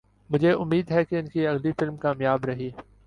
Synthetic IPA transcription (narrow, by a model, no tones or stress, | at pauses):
mʊd͡ʒʱeʔʊmːiːd̪ɦɛkeɪnkiɐɣlifɪlmkaːmjaːbɾɐɦiː